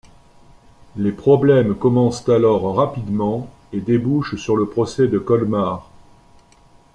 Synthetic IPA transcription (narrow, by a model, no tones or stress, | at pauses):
lepχɔblɛmkɔmɑ̃st̪alɔʁʁapid̪mɑ̃ | ed̪ebuʃsyʁləpχɔsɛd̪əkɔlmaʁ